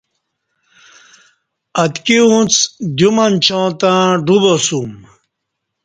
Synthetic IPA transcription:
ɐt̪kiũt͡sd̪jumant͡ɕʰõːt̪ãɖubosum

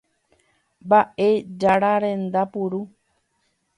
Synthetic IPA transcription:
baʔed͡ʒaɾaɾẽ̞nd̪apuɾu

